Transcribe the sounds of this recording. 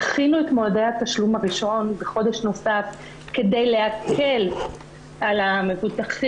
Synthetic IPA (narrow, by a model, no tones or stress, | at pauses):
aχinuetmoadehataʃlumaʁiʃo̞nbeχo̞deʃno̞saf | ke̞dejle̞akʰe̞l | ʔalame̞vutaχi